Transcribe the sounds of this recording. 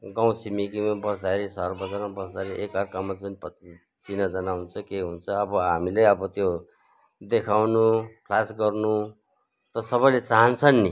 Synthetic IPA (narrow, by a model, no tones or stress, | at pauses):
ɡãw̃simikimabʌsd̪aeɾisʌrbʌd͡zaɾmabʌsd̪aɾiʔekʌrkamad͡zunipʌ | t͡sinʌd͡zʌnaɦunt͡sʰʌkeɦunt͡sʰʌːbʌɦamileʌbʌt̪jo | d̪ekʰawnukʰlasɡʌrnu | t̪ʌsʌbʌjlet͡saɦʌnt͡sʰʌnːi